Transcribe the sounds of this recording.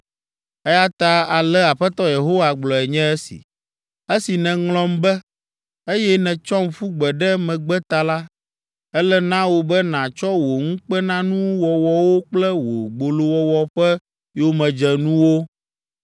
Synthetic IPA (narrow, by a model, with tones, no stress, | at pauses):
ɛ˦ja˦t̪a˨a˨lɛ˦a˨ɸɛ˦t̪ɔ˦je˨ɦo˦wa˨ɡ͡blɔ˨ɛ˨ɲɛ̃˦ɛ˦sḭ˨ | e˦si˨nɛ̃˨ŋlɔ̃˦mbɛ˦ | e˦jɛ˦nɛ̃˨t͡ʃɔ˦m˨fu˦ɡ͡bɛ˨ɖɛ˦mɛ̃˨ɡ͡bɛ˦t̪a˨la˦ | ɛ˦lɛ˦nã˦wo˨bɛ˦nã˨t͡ʃɔ˦wo˨ŋũ˦k͡pɛ˦nã˦nũ˦wɔ˨wɔ˦wo˦k͡plɛ˦wo˨ɡ͡bo˨lo˦wɔ˦wɔ˦ɸɛ˦ | jo˦mɛ̃˨d͡ʒɛ˨nũ˦wo˦